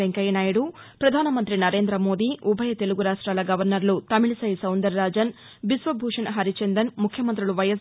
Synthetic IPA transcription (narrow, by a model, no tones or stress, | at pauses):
eŋkɐjɐnaːjɐɽupɾɐd̪ʱaːnɐmɐnt̪ɾinɐɾe̞ːnd̪ɾɐmo̞ːd̪iːʔubʱɐjɐt̪e̞luɡuɾaːʂʈɾaːlɐɡɐʋɐɾnɐɾlut̪ɐmiɭisɐjsɐwnd̪ɐɾːaːd͡ʒɐn | bisʋɐbʱuːʂɐnɐɦɐɾit͡ʃend̪ɐnmukʰjɐmɐnt̪ɾiluʋɐjɐs